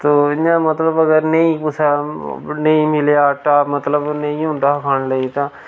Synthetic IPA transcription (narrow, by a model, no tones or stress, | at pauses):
t̪oːãmət̪ləbəɡəɾnəĩpʊsʰanəĩmɪlejaːʈaːmɐt̪ləbnɐĩɦõːnd̪aːkʰaːnləit̪aː